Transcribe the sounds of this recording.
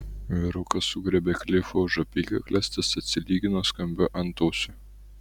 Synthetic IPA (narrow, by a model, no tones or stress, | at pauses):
ʋʲɪɾʊkɐsʊɡɾʲɛbʲeklʲɪfoʒɐpʲiːkʲɐklʲæsʲt̪ʲɐsɐt̪ʲsʲɪlʲiːɡʲɪnoːskɐmʲbʲʊʔɐnt̪oːsʲʊ